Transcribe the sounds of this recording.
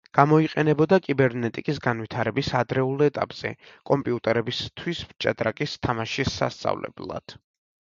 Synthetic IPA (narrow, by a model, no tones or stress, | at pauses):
ɡ̥amɔiqʼɛnɛbɔd̪akʼibɛɾnɛt̪ʼikʼisɡanwit̪ʰaɾɛbisad̪ɾɛulˠɛt̪ʼa̰pʼz̥ɛ̰kʼɔmpʼiut̪ʼɛɾɛbist̪ʰwismt͡ʃʼa̰d̪ɾakʼist̪ʰamaʃisːa̰st̪sʼa̰vlɛ̰blˠa̰d̪̥